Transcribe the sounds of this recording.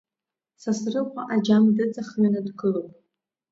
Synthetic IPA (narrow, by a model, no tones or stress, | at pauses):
sasrɨqʷaʔad͡ʒamdɨt͡sʼaχmanɨdɡɨlopʼ